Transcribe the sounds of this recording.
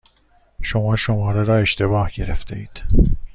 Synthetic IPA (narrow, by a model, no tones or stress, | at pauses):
ʃomɒːʃo̞mɒːɾeɾɒːe̞ʃt̪ʰe̞bɒːhɟe̞ɾḛft̪ʰe̞̰ḭːd̪̥